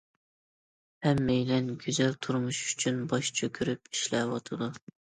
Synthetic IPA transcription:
hɛmːejlɛnɡʲyzɛlt̪ʰuɾmuʃy̥t͡ʃʰynbɑʃt͡ʃʰøkʲʰyɾyp̚i̥ʃlɛwɑt̪ʰɨd̪u

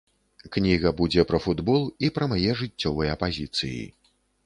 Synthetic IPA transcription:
knʲiɣɐbud͡zʲɛpɾɐfud̪bɔlˠipɾɐmajɛʐɨt͡sʲːɔvɨjɛɐpazʲit̪sɨ̰jḭ

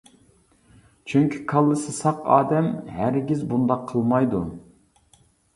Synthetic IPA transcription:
t͡ʃʰyŋkʲʰi̥kʰɑlˠːɨsɨsɑqɑ̰ːd̪ɛmɦæɾɡʲizbund̪ɑqʰːəlˠmɑjd̪u

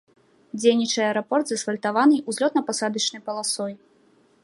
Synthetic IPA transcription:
d͡zʲejnʲit͡ʂɐjɐɛɾapɔrt̪zɐsfɐlʲt̪avanɨjʔuzʲlʲɔt̪nɐpasad̪ɐt͡ʂnɨjpɐlˠasɔj

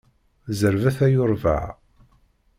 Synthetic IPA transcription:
zəɾvæθæjʊɾˤvə̰ʕ

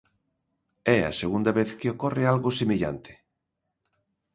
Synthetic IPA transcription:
ɛɐ̰seɣund̪aβeθkɪokɔrealɣosemiʎa̰nt̪ɪ̥

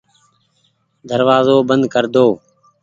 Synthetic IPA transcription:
d̪əɾʋaːzoːbənd̪kəɾd̪oː

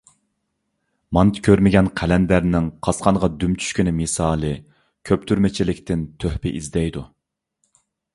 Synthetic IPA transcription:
mɑnt̪kʲʰøɾmɪɡʲɛnqʰælɛnd̪æɾnɪŋqʰɑsqʰɑɴʁɑd̪ymt͡ʃʰy̥ʃkʲɪnɪmisɑːlˠɨ | kʲʰøp̚t̪ʰyɾmɪt͡ʃʰilɪkʲt̪ʰɪnt̪ʰøhpɪʔizd̪ɛjd̪u

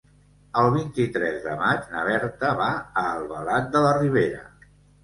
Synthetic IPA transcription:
əlˠβ̞int̪it̪ɾɛzðə̰mad͡ʒnə̰βɛɾt̪əβaəːlˠβəlat̪̚d̪ələriβ̞eɾə̰

